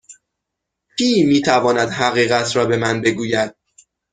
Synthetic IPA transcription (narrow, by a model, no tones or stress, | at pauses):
pʰiːmiːt̪ʰævɒːnæd̪ɦæɣiːɣæt̪ʰɾɒːbe̞mænbe̞ɡuːjæd̪̥̚